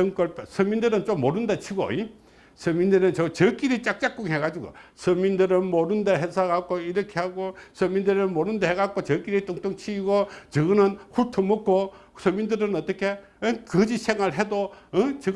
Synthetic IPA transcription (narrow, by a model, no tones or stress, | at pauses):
sʌŋk͈ʌɭpesʰɯmindɯɾɯnt͡ɕomːoɾɯndet͡ɕʰiɡo̰i | sʰɯmindɯɾɯnt͡ɕʌt͡ɕʌk͈iɾit͡ɕ͈ak̚t͡ɕ͈ak͈uŋɦeɡad͡ʑiɡo̰sʰɯmindɯɾɯnmoɾɯndeɦesʰaɡak͈oiɾʌkʰehaɡosʰʌmːindɯɾɯnmoɾɯndeheɣak͈ot͡ɕʌk͈ːiɾit͈oŋt͈oŋt͡ɕʰiiɡot͡ɕɯɡɯnɯnhutʰomok͈o | sʰʌmindɯɾɯnʌt̪͈ʌkʰe | nkɯd͡ʑisʰeŋaɭɦedot͡ɕɯ